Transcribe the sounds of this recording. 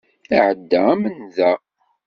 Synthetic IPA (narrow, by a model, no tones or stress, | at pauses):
iʕəd̪ːææmənðæ